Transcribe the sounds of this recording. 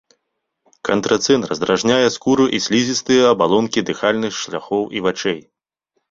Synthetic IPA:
kɐnt̪ɾɐt̪sɛnrɐzd̪ɾaʐnʲajɛskuɾɨʔisʲlʲizʲist̪ɨjɐɐbalˠɔnkʲid̪ɨxalʲnɨxʂlʲa̰xɔwʔivat͡ʂɛj

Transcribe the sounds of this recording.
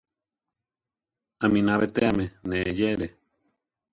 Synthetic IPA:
amĩnaβet̪eamẽnẽːjeɾe

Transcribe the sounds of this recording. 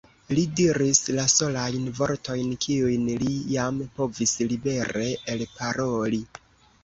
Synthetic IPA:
lidiɾislaso̞lajnvo̞ɾto̞jnkʰiujnlijampo̞vislibe̞ɾe̞ʔelpaɾo̞li

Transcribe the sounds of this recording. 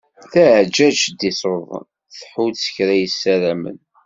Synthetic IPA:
θæʕd͡ʒæd͡ʒd̪isˤoð̰ˤ | θħusə̥çɾæjəsːæɾæmə̰n

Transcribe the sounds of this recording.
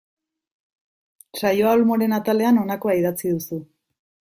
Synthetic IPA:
ʃajo̞aolmoɾe̞nat̪ale̞ano̞nako̞aið̞at͡siðusu

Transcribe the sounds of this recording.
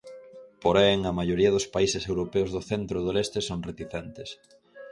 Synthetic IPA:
poɾeŋɐmaʎoɾiɐðʊspaisɪsewɾopɛʊzðʊθent̪ɾʊðolest̪ɪsoŋret̪iθɛnt̪ɪs

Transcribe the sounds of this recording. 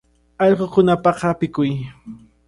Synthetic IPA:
ɑʎɢokʊnapɑqapɪkʊj

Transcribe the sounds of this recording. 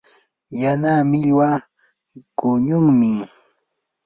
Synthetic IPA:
janamɪʎwa | kʊɲʊŋmɪ

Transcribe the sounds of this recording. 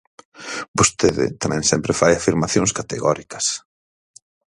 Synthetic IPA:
bost̪eðɪ̰t̪amɛ̃ŋsɛmpɾɪfajafiɾmaθjõŋskat̪eɣɔɾikɐ̥s

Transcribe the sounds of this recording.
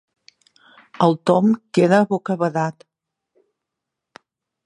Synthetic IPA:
əlˠt̪ɔmkeðəːβukəβəðat̪

